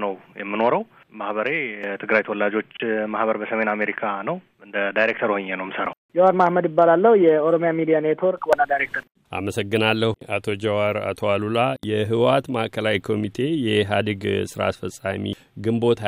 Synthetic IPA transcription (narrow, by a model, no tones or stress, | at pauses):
nəwjɛmːɨno̞ɾəw | mahbəɾet̪ʰɨɡɾajt̪ʰəwlːad͡ʒo̞t͡ʃːmahbəɾbəsəme̞name̞ɾikʰanəw | ɨnd̪əd̪ajɾek̚t̪ʰəɾuhɨɲːenəwjmsəɾa̰wd͡ʒɛwadmahməd̪jɪbːalalːəhujɛoɾomjamid̪ijanet̪ʰoɾkʰwonad̪ajɾek̚t̪ʰəɾ | ʔa̰məsəɡːɨnalːəhʔat̪ʰo̞d͡ʒɛwaɾa̰t̪ʰo̞alulajɛɦɨwat̪maʔkʰəlawikʰo̞mit̪ʰe̞jɛɦad̪ɨɡsɨɾa̰sfəsʼːa̰mḭ | ɡɨmbo̞t̪ʰ